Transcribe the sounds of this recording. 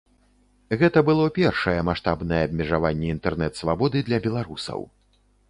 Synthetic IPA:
ɣɛt̪ɐbɨlˠɔpʲɛrʂɐjɛmaʂt̪abnɐjɛabʲmʲɛʐavanʲːɛint̪ɛrnɛt̪svabɔd̪ɨd̪lʲɐbʲɛlˠaɾusɐ̰w

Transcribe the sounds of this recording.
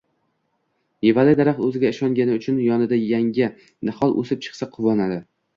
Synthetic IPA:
jevalɪd̪aɾaq̪ɵzɪɡʲaɪʃɒŋɡʲanɪʊt͡ʃʰʊnjɒnɪd̪ajaŋʲɪ | nɪχɒlˠʔɵ̰sɪp̚t͡ʃʰɨ̥qsaqʰʊvɒnad̪ɪ

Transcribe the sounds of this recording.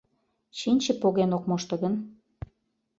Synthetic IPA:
ɕinʲt͡ɕĕpoɣenokmoʃt̪ə̆ɣən

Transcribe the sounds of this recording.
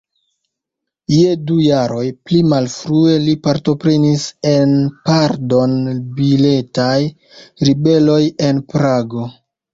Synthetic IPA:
je̞dujaɾo̞jplimalfɾue̞lipaɾto̞pɾe̞nisenpaɾdo̞nbile̞taj | ɾibe̞lo̞je̞npɾaɡo̞

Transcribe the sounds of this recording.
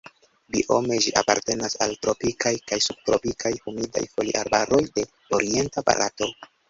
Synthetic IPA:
biʔo̞me̞ʒiʔapa̰ɾte̞nasaltɾo̞pikajkajsub̚tɾo̞pikʰajhumida̰jfo̞lḭʔaɾbaɾo̞jde̞ | oɾie̞ntaba̰ɾa̰to̞

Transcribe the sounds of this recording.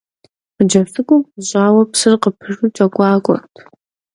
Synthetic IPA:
qəd͡ʒɐfɨɡʷʼʊmʑʼaːwɐpsɨrqəpʰɨʐud͡ʒʼɐɡʷʼɑːɡʷʼɔ̰rtʰ

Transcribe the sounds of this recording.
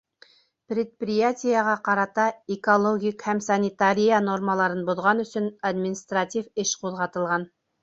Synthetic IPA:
prʲɪt̪̚prʲɪjatʲijaʁɑqɑɾɑt̪ɑekolˠoɡʲikhæmsanʲɪt̪aɾʲijano̞rməlˠɑɾɤnbŏðʁɑnɵ̆sɘnad̪mʲɪnʲist̪ratʲivɘʃquðʁɑt̪ɤ̆lˠʁɑn

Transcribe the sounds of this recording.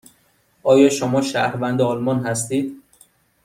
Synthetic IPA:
ʔɒːjɒːʃomɒːʃæhɾvænd̪eɒːlmɒːnɦæst̪iːd̪

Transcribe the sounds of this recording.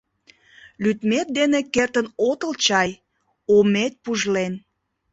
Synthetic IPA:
lyt̪met̪̚d̪enekert̪ənot̪ə̆lt͡ɕɑj | omet̪̚puʒlen

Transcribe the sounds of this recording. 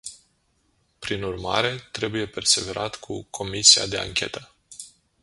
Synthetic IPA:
pɾinurma̰ɾe̞t̪ɾe̞buje̞pe̞rse̞ve̞ɾʔat̪kʰukʰo̞misia̰d̪e̞a̰ŋkʲe̞̰t̪ə

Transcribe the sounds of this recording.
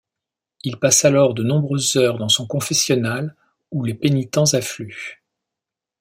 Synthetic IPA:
ilpasalɔʁd̪ənɔ̃bʁøzːœʁd̪ɑ̃sɔ̃kɔ̃fɛsjɔnal | ulepenit̪ɑ̃zafly

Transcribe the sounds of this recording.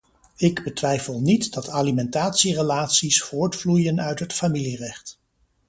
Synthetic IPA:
ɪɡbətʋɛjfəlˠnitdɑtaːlimɛntaːtsirəlaːtsisfʊːɹtflujənœɥtɦətfamilirɛχt

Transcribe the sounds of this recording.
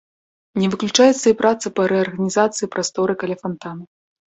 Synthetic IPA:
nʲɛvɨklʲut͡ʂajɛt̪sːɐipɾat̪sɐpɐɾɛɐrɣɐnʲizat̪sɨjipɾast̪ɔɾɨkalʲafant̪anɐ

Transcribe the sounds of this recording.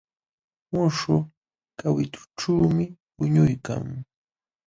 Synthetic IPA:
mʊʂʊ | kawɪt̪ʊ̥ʈ͡ʂuwmɪpʊɲʊjka̰ŋ

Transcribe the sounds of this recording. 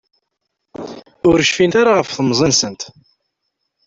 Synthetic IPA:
ʊɾəʃfint̪aɾaʁəfθəmzˤənsənt̪

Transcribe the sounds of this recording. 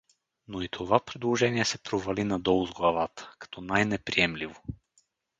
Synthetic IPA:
noit̪ʰovapɾid̪lˠoʒɛniɛsɛpɾovɐlinɐd̪ɔlˠzɡlˠɐvat̪ə̥kɐ̥t̪ɔnajnɛpɾiɛmlivo

